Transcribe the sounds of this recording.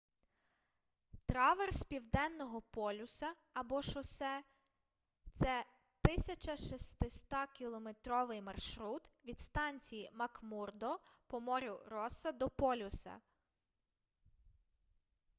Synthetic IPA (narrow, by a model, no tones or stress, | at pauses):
t̪ɾɑʋerspʲiwd̪ɛnːɔɦɔpɔlʲʊsɐ | ɐbɔʃɔsɛ | t̪sɛ | t̪ɪsʲɐt͡ʃɐʃist̪ɪst̪ɑkʲilˠɔmet̪ɾɔʋɪjmɐrʃɾut̪ʋʲid̪st̪ɑnʲt͡sʲijimɐkmurd̪ɔpɔmɔɾʲʊɾɔsɐd̪ɔpɔlʲʊsɐ̰